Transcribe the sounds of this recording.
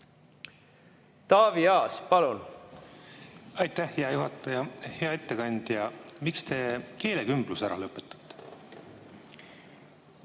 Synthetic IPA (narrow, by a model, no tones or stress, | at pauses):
t̪ɑːviɑːspɑlun | ɑjt̪æhheɑjuɦɑt̪ːˑɑjɑhe̞ɑet̪ːe̞kɑnʲd̪̥jɑmikst̪e̞ke̞ːlekymb̥lusæɾɑ̰lɤpːˑet̪ːˑɑ̥t̪ːe̥